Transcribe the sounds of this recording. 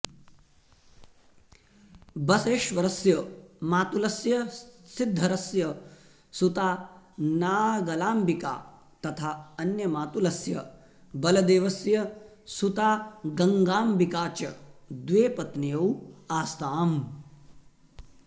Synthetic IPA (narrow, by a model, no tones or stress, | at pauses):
bɐseːʃʋɐɾɐsjɐmaːt̪ulɐsjɐsid̪ʱːɐɾɐsjɐ | sut̪aːnaːɡɐlaːmbika̰ː | t̪ɐt̪ʰaːɐnjɐmaːt̪ulɐsjɐ | bɐlɐd̪eːʋɐsjɐ | sut̪aːɡɐŋɡaːmbikaːt͡ʃɐd̪ʋeːpɐt̪nijɐwaːst̪aːm